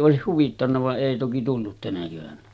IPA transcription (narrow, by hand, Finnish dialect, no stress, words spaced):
oˑesih huʋitːɑnːɑ ʋɑʔ ʔeˑi toki tulːut tænæ keʋænæ